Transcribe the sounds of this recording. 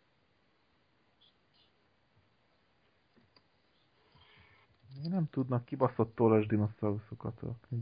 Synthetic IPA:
meːɡnɛmt̪ud̪nɒkːibɒsot̪ːoːlɒʒd̪inosɒusokɒt̪ø̰kni

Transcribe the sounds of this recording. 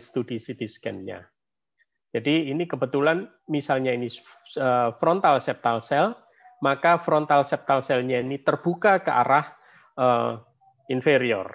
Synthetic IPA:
st̪udisit̪iskɛ̰nɲa̰ | d͡ʒadiːnikəbət̪ulan | misalɲaini | əfɾɔnt̪alsɛp̚t̪alsɛl | makafɾɔnt̪alsɛp̚t̪alsɛlɲainit̪ərb̥ukakəʔa̰ɾah | ə | infeɾiɔ̰r

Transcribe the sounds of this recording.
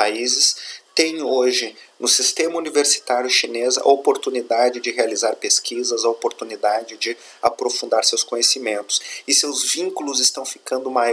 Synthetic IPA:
aizɪst̪ẽj̃oʒɪ | nʊsist̪ẽmɐuniveɾsi̥t̪aɾjʊʃinezɐ̰opoɾt̪unid̪ad͡ʒɪd͡ʒɪɦealizaɾpeskʰizɐzɐopoɾt̪unid̪ad͡ʒɪd͡ʒɪ | apɾofũnd̪aɾsewskõɲesimẽnt̪ʊ̥sɪsewzvĩŋkulʊzɪst̪ɐ̃w̃fi̥kɐ̃nd̪ʊma

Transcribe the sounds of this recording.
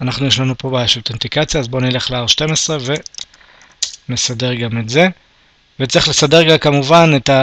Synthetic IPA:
anaχnujeʃlanupo̞baʃolt̪ent̪ikat͡sjaːzbo̞nile̞χleaʁʃte̞mesʁeve̞ | mesade̞ʁɡametze | vet͡sʁiχle̞sade̞ʁɡakamuvaneta

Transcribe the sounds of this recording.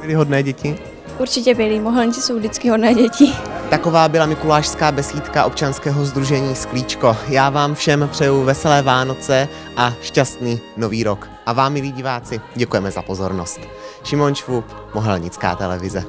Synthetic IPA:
bɪlɪɦo̞dnɛːɟɛcɪ | ʔuɾt͡ʃɪcɛbɪlɪmoɦɛlɲt͡sɪ̥sowdɪt͡skɪɦodnɛːɟɛcɪt̪ako̞vaːbɪlamɪkulaːʃskaːbɛsiːt̪kaʔo̞p̚t͡ʃanskɛːɦo̞zd̪ɾuʒɛɲiːskliːt͡ʃko̞jaːvaːmfʃɛmpr̥ɛjuvɛsɛlɛːvaːno̞t͡sɛ | ʔaʃcast̪niːno̞viːɾo̞k | ʔavaːmːɪliːɟɪvaːt͡sɪɟɛkujɛmɛzapo̞zo̞ɾno̞st̪ | ʃɪmo̞nʃvup | moɦɛlɲɪt͡ska̰ːt̪ɛlɛvɪzɛ

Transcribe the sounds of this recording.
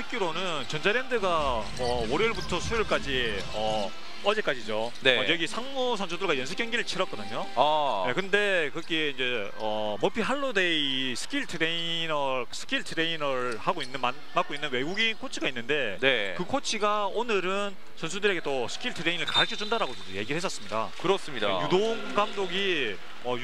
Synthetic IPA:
sʰɯk͈juɾonɯnt͡ɕʌnd͡ʑaɾe̞ndɯɡa | ʌoɾiɭbutʰʌsʰujiɭk͈ad͡ʑi | ʌ | ʌd͡ʑe̞k͈ad͡ʑid͡ʑo | neʌjʌɡisʰaŋmusʰʌnsʰodɯɭɡajʌns̬ʰɯ̥k͈jʌŋɡiɾɯɭt͡ɕʰiɾʌk͈ʌdɯɲo | jekɯnde̞kɯɾʌk͈iind͡ʑe̞ | ʌ | mʌpʰiɦaɭːodeisʰɯ̥k͈ʰiɭtʰɯɾei | nʌsʰɯ̥k͈ʰiɭtʰɯɾeinʌɾ | haɡoinːɯna | mak͈oinːɯnwe̞ɡuɡinkʰot͡ɕʰiɡainːɯnde̞nekɯkʰot͡ɕʰiɡaonɯɾɯn | sʰʌns̬ʰudɯɾe̞ɡe̞t͈osʰɯ̥k͈ʰiɭtʰɯɾe̞inɯɭkaɾɯkt͡ɕ͈ʰʌd͡ʑundaɾaɡot͡ɕʌoje̞ɡiɾɯɭhes͈ʌs͈ɯmɲida̰kɯɾʌs͈ɯmɲida̰judoŋɡ͈amdoɡi | ʌj

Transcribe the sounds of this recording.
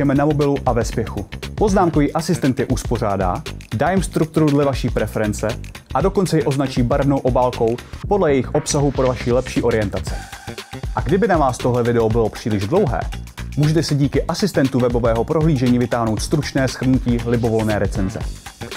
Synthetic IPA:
ɛmɛnamo̞bɪluʔavɛspjɛxupo̞znaːmko̞viːʔasɪst̪ɛnt̪jɛʔuspo̞r̝aːda̰ːdajɛmst̪ɾuk̚t̪uɾudlɛvaʃiːpɾɛfɛɾɛnt͡sɛ | ʔado̞ko̞nt͡sɛjɛʔo̞znat͡ʃiːbaɾvnowʔo̞baːlko̞wpo̞dlɛjɛjɪxʔo̞psaɦupɾovaʃiːlɛpʃiːʔo̞ɾɪjɛnt̪at͡sɛ̥ | ʔaɡdɪbɪnavaːst̪o̞ɦlɛvɪdɛobɪlo̞pr̝̥iːlɪʒdlo̞wɦɛ̰ːmuːʒɛt̪ɛsɪɟiːkɪʔasɪst̪ɛnt̪uvɛbo̞vɛːɦo̞pɾʔo̞ɦliːʒɛɲiːvɪt̪aːɦno̞wt̪st̪ɾut͡ʃnɛːsxr̩nuciːlɪbo̞vo̞lnɛːɾɛt͡sɛnzɛ̰

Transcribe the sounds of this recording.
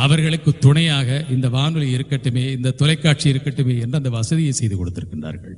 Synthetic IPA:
ɐʋɐɾɣɐɭɯkːɯt̪ːʊɳɐjaːɣɐʔɪnd̪ɐʋaːnɯlɪɾɯkːɐʈːɯmeːɪnd̪ɐt̪ːɔlɐɪkːaːʈ̚t͡ʃiɪɾɯkːɐʈːɯmeːɛndrɐnd̪ɐʋɐsɐðɪjɐɪsɛjðɯkɔɽɯt̪ːɪɾɯkːɪɳdra̰ːɾɣɐ̰ɭ

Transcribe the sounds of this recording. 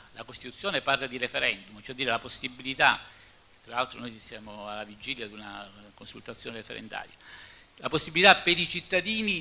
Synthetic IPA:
lakost̪it̪ut̪sːjoːneparlad̪iɾefeɾɛnd̪umt͡ʃɛd̪ːiːɾelaposːibilit̪a | t̪ːɾalalt̪ɾonojsjaːmoalːavid͡ʒiːljad̪una̰konsult̪at̪sːjoːneɾefḛɾḛnd̪a̰ːɾja | laposːibilit̪apːeɾit͡ʃit̪ːad̪iːni

